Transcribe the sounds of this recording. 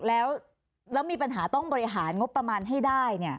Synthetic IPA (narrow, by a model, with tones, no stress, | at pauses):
lɛː˦˥w | lɛː˦˥wmiː˧pa˧nɦaː˩˦t̪ɔ˥˩ŋbɔː˧ɾi˦˥ɦaː˩˦nŋo˦˥pːɾa˧maː˧nɦa˥˩jdaː˥˩jni˥˩ɐ